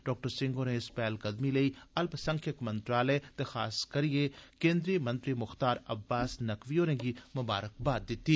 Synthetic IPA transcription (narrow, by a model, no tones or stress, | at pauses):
ɖɔːk̚ʈəɾsɪ̃ŋɡoːnẽɪspɛːlɡɐd̪mileiɐlpsɐ̃ŋkʰjəkmɐ̃nt̪ɾaːlɛt̪exaːskɐɾiekẽːnd̪ɾijəmɐ̃nt̪ɾimʊxt̪aːɾɐbːaːsnɐkʋioːɾẽːɡimɐba̰ːɾək̚baːd̪̚ːɪt̪ːi